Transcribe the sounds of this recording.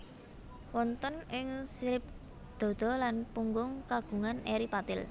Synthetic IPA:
wɔnt̪ənɪŋsiɾɪp̚ | d̪̥ɔ̤d̪̥ɔ̤lanpuŋɡʊŋkaɡ̥ṳŋaneɾipat̪ɪl

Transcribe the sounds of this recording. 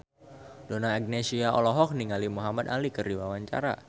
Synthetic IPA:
donaɛɡ̚nesiaʔɔ̰lɔɦɔk̚niŋalimuɦamad̪alikɨrdiwawaɲt͡ʃa̰ɾa̰

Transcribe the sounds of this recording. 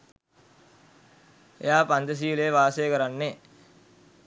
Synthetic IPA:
ḛjaːpand̪əs̬iːleeʋaːsejəkəɾanːe

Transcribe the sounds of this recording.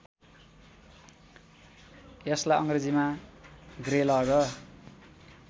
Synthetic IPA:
jʌslaʌŋred͡zima | ɡrelʌɡʌ

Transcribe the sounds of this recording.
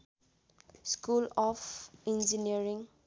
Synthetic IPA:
skulɔfĩnd͡ʒiniəɾĩŋ

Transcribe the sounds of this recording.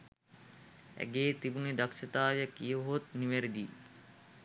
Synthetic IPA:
æ̰ɡeːt̪ibuned̪ɐkʃɐt̪aːʋjəkijəɦot̪niʋeɾid̪iː

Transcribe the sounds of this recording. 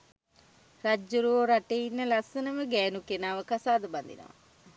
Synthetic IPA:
rad͡ʒːuɾuoɾaʈeinːəlasənəʋəɡɛːnukenaːʋəkasaːd̪əband̪ḭnə̰ʋa̰

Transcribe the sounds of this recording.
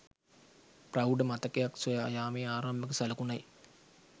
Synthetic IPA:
prawɖəmat̪əkejaksojajaːmeːaːɾambəkəsaləkunaj

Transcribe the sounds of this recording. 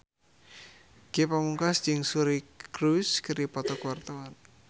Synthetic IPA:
ɡ̥epamuŋkasd͡ʒɪŋsuɾikɾuskəɾipɔt̪ɔkuwart̪əwan

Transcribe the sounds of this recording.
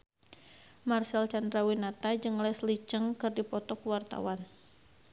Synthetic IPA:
marsɛlt͡ʃandɾawinat̪ad͡ʒɨŋlɛslit͡ʃəŋkɨrdipɔt̪ɔkuwart̪a̰wan

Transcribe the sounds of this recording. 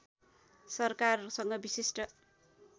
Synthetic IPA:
sʌrkarsʌŋɡʌbisisʈʌ

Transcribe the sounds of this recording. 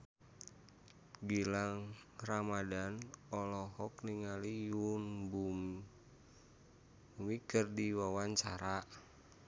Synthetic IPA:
ɡilaŋramadanɔlɔɦɔkniŋalijunbum | wikərdiwawaɲt͡ʃaɾaʔ

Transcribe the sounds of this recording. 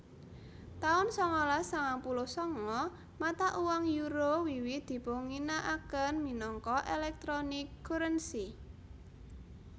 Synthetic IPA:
t̪aʊnsɔŋɔlasaŋaŋpulosɔŋɔ | mat̪aʔuwaŋjuɾowiwid̪̥i̤poŋinaʔakənminɔŋkɔʔelɛk̚t̪ɾonɪkːuɾənsi

